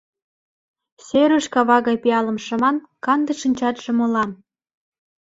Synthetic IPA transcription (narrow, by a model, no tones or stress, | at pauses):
sʲeɾə̆ʃkɑβɑɣɑjpiɑlɤ̆mʃɤ̆mɑn | kɑnd̪ə̆ʃənʲt͡ɕɑt̪ʒ̥ĕmŏlɑn